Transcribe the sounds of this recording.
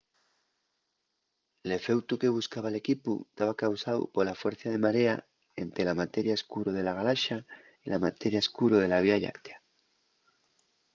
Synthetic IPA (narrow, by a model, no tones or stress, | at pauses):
le̞fe̞wt̪uke̞β̞uskaβ̞ale̞kiput̪aβ̞akawsawpolafwe̞ɾθað̞e̞maɾea̰ | ent̪ɾelamat̪eɾjaeskuɾoðe̞laɣ̞alaʃa | ilamat̪eɾjaeskuɾoð̞e̞laβ̞iaʎa̰kt̪e̥a